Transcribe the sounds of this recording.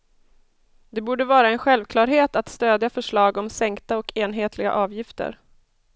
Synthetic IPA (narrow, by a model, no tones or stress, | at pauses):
d̪ɛbuːɖəvɑːɾaɛnɧɛlvkʰlɑːɾɦeːt̪at̪st̪øːd̪jafœʂɭɑːɡɔmsɛŋkt̪aɔkʰeːnɦeːt̪ʰlɪɡa̰ʔɑːvjɪft̪ə̰ɾ